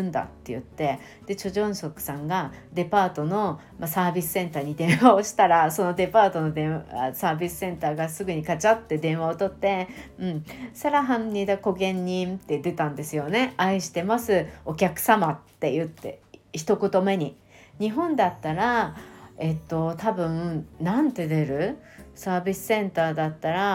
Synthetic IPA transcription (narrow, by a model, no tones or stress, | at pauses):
nd̪a̰t̪ːe̞jɯ̟t̪ːe̞ | d̪̥e̞t͡ɕo̞ʑõ̞ɰ̃so̞kɯ̟̥sãŋɡad̪e̞paːt̪o̞no̞ | masaːbʲisɨ̥sẽ̞nt̪aːɲ̟id̪ẽ̞ɰ̃βao̞ɕi̥t̪aɾaso̞no̞d̪e̞paːt̪o̞no̞d̪ẽa̰saːbʲisɨ̥sẽ̞nt̪aːɡasɨɡɯ̟ɲ̟ikat͡ɕat̪ːe̞d̪ẽ̞ɰ̃βao̞t̪o̞t̪ːe̞ɯ̟̃ɴsaɾaɦãnnid̪ako̞ɡẽ̞ɲ̟ːĩnt̪e̞d̪e̞t̪ãnd̪e̞sɨjo̞ne̞aiɕi̥t̪e̞masɨo̞kʲakɯ̟̥samat̪ːe̞jɯ̟t̪ːe̞̰çi̥t̪o̞kot̪o̞me̞ɲ̟i | ɲ̟iɦõ̞nd̪at̪ːaɾa | e̞t̪ːo̞t̪abɯ̟̃nãnt̪e̞d̪e̞ɾɯ̟ | saːbʲisɨ̥sẽ̞nt̪aːd̪at̪ːaɾa